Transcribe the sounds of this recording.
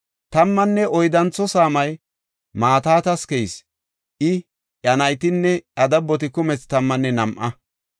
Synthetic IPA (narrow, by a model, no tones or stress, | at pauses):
t̪ɐmːɐnːɛɔjd̪ɐnt͡sːɔsaːmɐj | maːt̪aːt̪ɐskɛjs | ʔɪ | ʔɐnɐjt̪ɪnːɛʔɐd̪ɐbːɔt̪ɪkʊmɛt͡st̪ɐmːɐnːɛnɐmʔɐ